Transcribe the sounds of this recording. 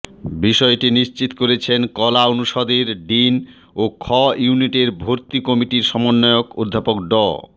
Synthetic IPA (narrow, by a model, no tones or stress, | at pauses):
biʃɔeʈiniʃt͡ɕit̪koɾet͡ɕʰenkɔlaonuʃɔd̪eɾɖin | okʰɔjuniʈeɾbʱoɾt̪ikɔmiʈiɾʃɔmonːɔeokod̪ʱːapokɖɔ